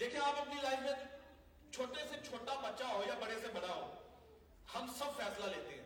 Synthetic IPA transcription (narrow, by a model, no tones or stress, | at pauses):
d̪eːkʰijeaːpɐpnilaːɪzmẽ | t͡ʃʰoːʈeset͡ʃʰoːʈabɐtːʃaɦoːjabɐɽesebɐɽaɦo̰ː | hɐmsɐbfɛːslaleːt̪eɦɛ̃ː